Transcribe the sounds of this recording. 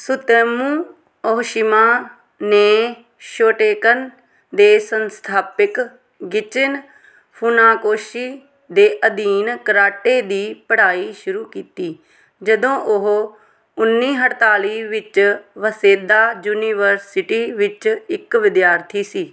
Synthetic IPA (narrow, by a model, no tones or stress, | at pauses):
sʊt̪eːmũː | ɔɦʃɪmaː | neː | ʃoːʈeːkən | d̪eːsənst̪ʰaːpɪk | ɡɪt͡ʃɪn | pʰunaːkoːʃiː | d̪eːʔəd̪iːnkɾaːʈeːd̪iːpəɽaːiːʃʊɾuːkiːt̪iː | d͡ʒəd̪õːʔʊɦ | ʊnːiːɦəʈt̪aːliːʋɪt͡ʃʋəseːd̪aːd͡ʒuːniːʋəɾsɪʈiːʋɪt͡ʃɪkʋɪd̪jaːɾt̪ʰiːsiː